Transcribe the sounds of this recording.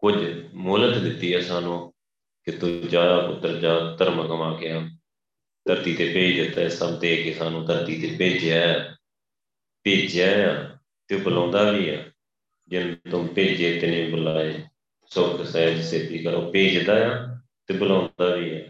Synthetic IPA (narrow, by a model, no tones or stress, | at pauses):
kʊd͡ʒmoːlət̪d̪ɪt̪ːiːɛːsaːnũː | kɪt̪ʊd͡ʒaːd̪aːpʊt̪ːəɾd͡ʒaːt̪əɾməkəmaːkeːaː | t̪əɾt̪iːt̪eːpeːd͡ʒd̪ɪt̪ːaːɪsəbt̪eːkɪsaːnũːt̪əɾt̪iːt̪eːpeːd͡ʒjaːjaː | peːd͡ʒjaːjaː | t̪eːbəlãːnd̪aːʋiːaː | d͡ʒɪnt̪ʊmpeːd͡ʒeːt̪enẽːbəlaːeː | sʊkʰsaːd͡ʒɪseːt̪iːkəɾoːpeːd͡ʒd̪aːjaː | t̪eːbəlãːnd̪aːʋiːɛː